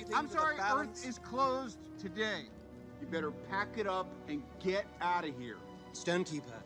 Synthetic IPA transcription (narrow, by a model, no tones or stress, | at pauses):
ãɪ̃msɑɹiɜ˞θɪz̥kʰl̥oʊz | tʰɨdeɪ | jɨbɛɾə˞pʰækɨɾʌpɨ̃nɡɛɾaʊɾɨvhḭɹ | stʌ̃ntʰipæ